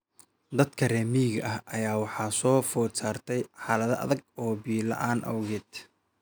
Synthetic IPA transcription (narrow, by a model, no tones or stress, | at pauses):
d̪ɐd̪kʰɐrɛːmiːɣɐ̰ʔɐhʔɐjaːwɑħɑːsɔːfɔːsaːrt̪ʰɛjħɑːlɐðɐʔɐ̰ðɐɡɔːbiːlɐ̰ʔaːnʔɐ̰wɣɛːd̪